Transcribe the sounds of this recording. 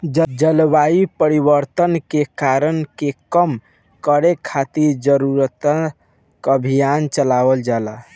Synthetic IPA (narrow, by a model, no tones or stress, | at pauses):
d͡ʒd͡ʒəlbaipəɾibəɾt̪ənkekaɾənkekəm | kəɾekʰat̪iɾd͡ʒəɾuɾət̪ə | kəbʱijant͡ʃəlawəld͡ʒala